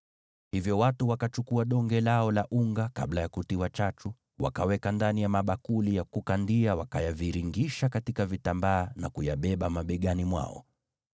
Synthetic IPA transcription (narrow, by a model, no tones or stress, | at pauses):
hivjɔwatuwakat͡ʃukuaɗɔŋɡɛlaɔlaʔuŋɡaka̰ɓlajakutiwat͡ʃat͡ʃu | wa̰kawɛkandanijamaɓakulijakukandiawakajaviɾiŋɡiʃakatikavitambaːna̰kujaɓɛɓamaɓɛɠanimwa̰ɔ̰